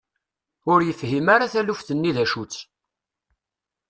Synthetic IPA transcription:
ʊɾjəfhimaɾaθælufθənːiðæʃut͡sː

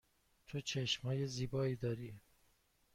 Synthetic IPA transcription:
t̪ʰot͡ʃʰeʃmhɒːjeziːbɒːiːd̪ɒːɾiː

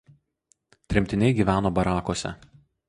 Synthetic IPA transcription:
t̪ʲɾʲɪmʲt̪ʲɪnʲɛɪɡʲiːʋʲæːnoːbɐɾɑːkoːsʲɛ̰

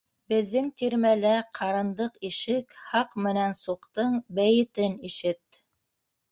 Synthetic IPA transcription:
bɘ̆ðːɘŋt̪iɾmælæqʰɑɾɤ̆nd̪ɤqiʃɘkhɑqmɘ̆nænsuqt̪ɤɴbæjɘ̆t̪ɘniʃɘt̪

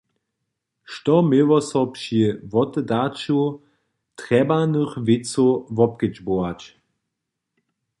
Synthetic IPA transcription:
ʃtɔmɪvɔsɔpʃivɔt̪ɛdat͡ʃu | tʁɛbanəxvɪt͡sovɔp̚kəd͡ʒboat͡ʃ

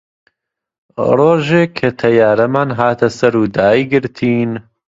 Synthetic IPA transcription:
roːʒeːkʰːɐt̪ʰɐjaːɾɐmaːnɦaːt̪ʰɐsɐɾuːd̪aːjɡɪɾt̪ʰiːn

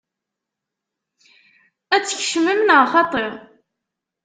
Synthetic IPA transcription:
æt͡sːəçʃməmnəʁχɑt̪ˤeʁ

